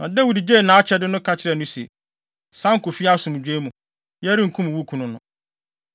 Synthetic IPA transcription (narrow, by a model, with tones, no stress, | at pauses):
ɔ̰˨dɛ˦wu˨di˨d͡ʑeː˦˨nãː˨˦t͡ɕʰɛ˦dɪ˦nʊ̃˦kʰa˨t͡ɕʰɪ˦ɾɛ˨nʊ̃˦sɛ̰˨ | sã˦ŋ̩˦kʊ˨fi˦a˦sʊ̃˨m̃˨d͡ʑᶣe˦mũ˨ | jɛ˦ɾi˦ŋ̩˨kʰũ˦m̃˨wu˦kʰũ˨nʊ̃˦nʊ̃˨˦